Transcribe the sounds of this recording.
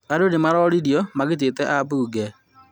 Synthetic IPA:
aɾonemaɾɔɾiɾjɔmaɣet̬etɛʔaβuːɡɛ

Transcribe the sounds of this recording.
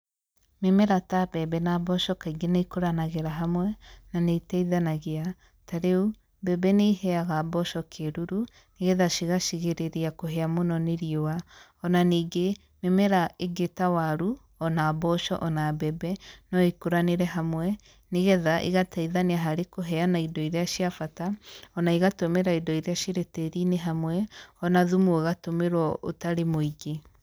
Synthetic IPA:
memɛɾatabɛbɛnabɔʃɔkaiɡenaikoɾanaɣeɾaɦamwɛnaneitaiðanaɣea | taɾeu | bɛbɛneihɛaɣabɔʃɔkʰeɾuɾu | neɣɛðaʃiɣaʃiɣeɾeɾeakoɦeamonɔneɾiowa | ɔnaniːɡe | memɛɾaeɡetawaɾu | ɔnaːbɔʃɔ̰ʔɔnabɛbɛnɔikoɾaneɾɛɦamwɛ | neɣɛðaʔḭɣatʰaiðaneaɦaɾekoɦɛanaidɔiɾeaʃiafataɔnaiɣatomeɾaidɔiɾeaʃeɾeteɾineɦamwɛɔnaðumuɣatomeɾwɔo̰taɾemoiɡe

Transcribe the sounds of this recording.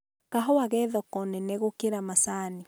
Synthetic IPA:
kaɦɔwaɣɛðɔkɔnɛnɛɣokeɾamasaːni

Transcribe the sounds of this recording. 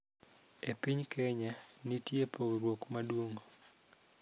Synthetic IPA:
epiɲkɛɲanitjepoɾwokmadwoŋɡo

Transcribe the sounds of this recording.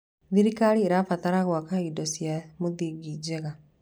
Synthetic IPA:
ðiɾikaɾieɾafataɾaɣwakaidɔsjamoðiɡid͡ʒeɣa

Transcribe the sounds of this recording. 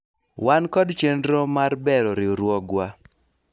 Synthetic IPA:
wankɔdt͡ʃendɾɔmaɾbɛɾɔɾɪoɾwɔɡwa

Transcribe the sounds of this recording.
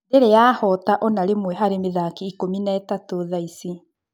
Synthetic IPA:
deɾejahɔtaʔɔnaɾemwɛɦaɾemeðakiːkominaɛtatoðaisi

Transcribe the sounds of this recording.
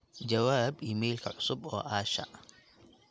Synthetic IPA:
d͡ʒɐwaːbiːmɛjlkʰɐʕʊsʊbɔ̰ːʔaːʃɐ̰ʔ

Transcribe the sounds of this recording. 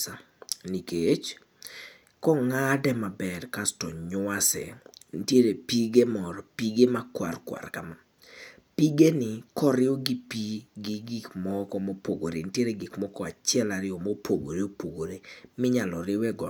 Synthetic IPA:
a | niket͡ʃ | kɔŋadɛmabɛrkastɔɲʊasɛ̰ntjeɾepiɡemɔɾɔpiɡemakwa̰rkwa̰rka̰ma | piɡenɪkɔɾɪɔɡipiɡɪɡikmɔkɔmopoɡoɾḛntjeɾeɡɪkmɔkɔat͡ʃɪɛlaɾɪɔmopʰoɡo̰ɾeopoɡoɾemɪɲalɔɾɪwɛɡɔ

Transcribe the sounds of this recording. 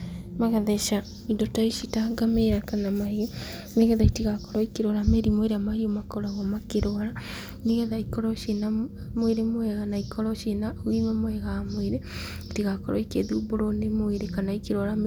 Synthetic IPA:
maɣaðɛʃa | idotaiʃitaɡameɾakanamaio | neɣɛðaitiɣakɔɾɔikeɾwɾameɾimoeɾeamahiomakɔɾaɣɔmakeɾoaɾa | neɣɛðaikɔɾɔʃena | moeɾemoɛɣanaikɔɾɔʃenawimɛmoɛɣamoeɾe | tiɣakɔɾɔikeðuboɾonemoeɾekanaikeɾwaɾam

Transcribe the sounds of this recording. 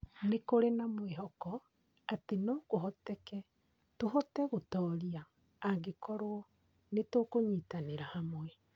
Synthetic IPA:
nekoɾenamweɦɔkɔ | atenoːɡoɦɔtɛkɛ | toɦɔtɛɣotɔːɾiaː | ŋɡekɔɾoɔ | netokoɲitaneɾahamwɛ

